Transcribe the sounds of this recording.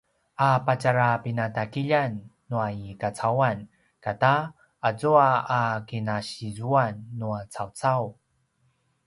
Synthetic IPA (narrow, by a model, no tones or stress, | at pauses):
ʔapat͡ɕaɾapinatakiʎanː | uajikat͡sawan | kataː | d͡zuaakinaɕizuanːuat͡sawt͡saw